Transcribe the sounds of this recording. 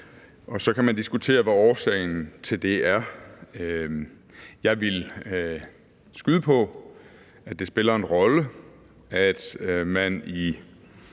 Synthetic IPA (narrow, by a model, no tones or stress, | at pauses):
ʔɒ̽sɒ̽kʰæmænd̥isɡ̥ut͡sʰe̝̰ːɐʋæɒːsɛ̰ɪn̩t͡sʰe̝ld̥e̝æɐ | jɑ̈ɪʋe̝l | sɡ̥yðˠəpʰɒ̽ | æ̥d̥e̝sb̥e̝lɐe̝nʁɒ̽lə | æd̥mæni